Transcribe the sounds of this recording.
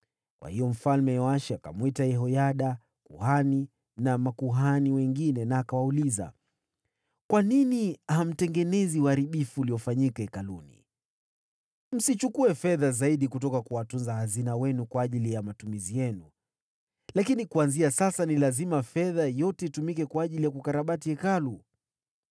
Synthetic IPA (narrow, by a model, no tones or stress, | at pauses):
kwa̰hijɔm̩falmɛwaʃiaka̰mwitajɛɦɔjaɗa | kuhani | namakuɦaniwɛŋɡinɛnaːkawauliza̰ | kwaniniaham̩tɛŋɡɛnɛziwaɾiɓifuːliɔfaɲikaɛkalunḭ | m̩sit͡ʃukuɛfɛðazaiɗikutɔkakuwatunzahazinawɛnukwaːʄilijamatumizijɛnu | lakinikuanziasasanilazimafɛðajɔtɛitumikɛkwaːʄilijakukaɾaɓatiɛkalu